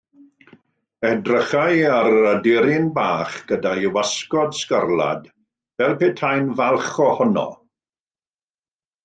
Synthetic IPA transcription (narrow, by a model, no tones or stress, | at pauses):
ɛdrəχajaɾədɪɾɪnbaːχɡ̥ədajwaskɔdskərlˠa̰d | vɛlˠpʰeːtʰajnvalˠχɔhɔnɔ̰